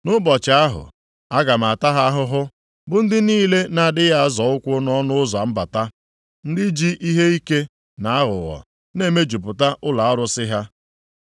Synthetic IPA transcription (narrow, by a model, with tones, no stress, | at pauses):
nʊ˦bɔ˨t͡ʃa˨a˦ɦʊ̰˨ | a˦ɡa˨m̩˨a˨ta˦ɦa˦ɦʊ˦ɦʊ˦ | bʊ˦n̩˦dɪ˦niː˦le˦na˨dɪ˦ja˦zɔ˨ʊ˦kʷʊ˦nɔ˦nʊ˦ʊ˦za˨m̩˦ba˨ta˦ | n̩˦dɪ˦d͡ʒi˦ʔi˦ɦe˦i˦ke˦ | na˨a˦ɣʊ̰˨ɣɔ̰˨ | ne˦˨me˦d͡ʒu˨pʊ˨ta˦ʔʊ˦la˨ɔ˦ɾʊ˦sɪ˦ɦa˦